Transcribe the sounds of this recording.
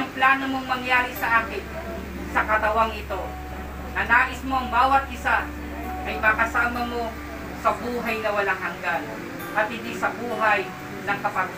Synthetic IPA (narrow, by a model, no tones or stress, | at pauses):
ʊŋplaːnomo̞ŋmɐŋjaːɾɪsɐʔaːkɪn | sɐkɐt̪ɐwaŋʔɪt̪o̞ | nɐnaːʔɪsmo̞ʔɐŋbaːwɐt̪̚ʔɪsa | ʔɐjmaːkɐsaːmɐmo̞ | sɐbuːɦɐjnɐwɐlaŋhɐŋɡan | ʔɐt̪̚hɪnd̪isɐbuːɦɐj | nɐŋkɐpat̪